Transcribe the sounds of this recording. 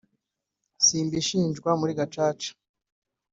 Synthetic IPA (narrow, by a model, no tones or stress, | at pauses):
siːmbiʃiːnd͡ʒɡwamuɾiɡat͡ʃaːt͡ʃḁ